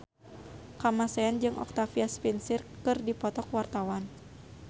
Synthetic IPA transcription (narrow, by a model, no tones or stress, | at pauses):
kamasɛand͡ʒɨŋʔɔ̰k̚t̪afiaspinsirkɨrdipɔt̪ɔkwart̪awan